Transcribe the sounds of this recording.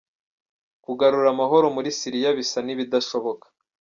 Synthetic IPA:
kuɡaɾuɾamaɦo̞ɾo̞muɾisiɾijaβisaniβidaʃo̞βo̞kḁ

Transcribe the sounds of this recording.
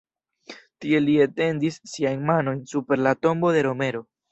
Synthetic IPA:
tie̞liete̞ndisːiajnmano̞jnsupe̞ɾlato̞mbo̞de̞ɾo̞me̞ɾo̞

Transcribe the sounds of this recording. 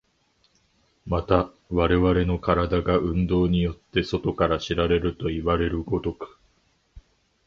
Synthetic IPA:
mat̪a | βaɾe̞βaɾe̞no̞kaɾad̪aɡaʔɯ̟̃nd̪o̞ːɲ̟ijo̞t̪ːe̞so̞t̪o̞kaɾaɕiɾaɾe̞ɾɯ̟t̪o̞iβaɾe̞ɾɯ̟ɡo̞t̪o̞kɯ̥

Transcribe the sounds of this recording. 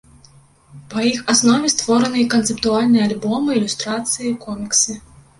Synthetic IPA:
pɐjixasnɔvʲɛst̪vɔɾɐnɨjkɐnt̪sɨpt̪ualʲnɨjɛalʲbɔmɨilʲust̪ɾat̪sɨjikɔmʲiksɨ

